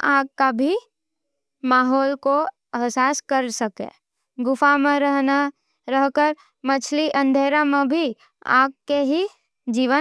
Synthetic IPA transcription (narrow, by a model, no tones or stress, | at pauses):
aːɡ̚kabʱi | maːɦɔːlko | ɛɦsaːskəɾsəkḛ̃ | ɡʊfamẽɾəɦna | ɾəɦkəɾ | mɐt͡ʃʰliʔə̃nd̪ʱeːɾamẽbʱi | a̰ːɡ̚keɦi | d͡ʒiːʋə